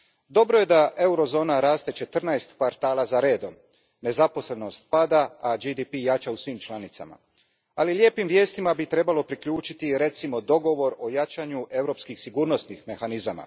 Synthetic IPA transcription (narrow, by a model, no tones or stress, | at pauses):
d̪o̞bɾo̞je̞d̪aʔe̞uɾo̞zo̞ːnaɾaːst̪e̞t͡ʃe̞t̪r̩najst̪kʋaɾt̪aːlazaɾe̞ːd̪o̞m | ne̞zapo̞sle̞no̞st̪̚pad̪aːd͡ʒid̪ipijat͡ʃausʋimt͡ʃlˠanit̪sa̰ma̰ | alilʲje̞ːpimʋje̞ːst̪imabit̪ɾe̞balo̞pɾikʎuːt͡ʃit̪iɾe̞t̪simo̞d̪o̞ɡo̞ʋo̞ɾo̞jat͡ʃaɲuʔe̞vɾo̞pskixsiɡuːɾno̞snixme̞xanizama̰